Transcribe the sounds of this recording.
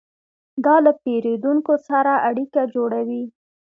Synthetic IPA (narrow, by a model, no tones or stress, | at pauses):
d̪ɑlapeɾed̪uŋkosaɾaʔaɽikad͡ʒoɽawi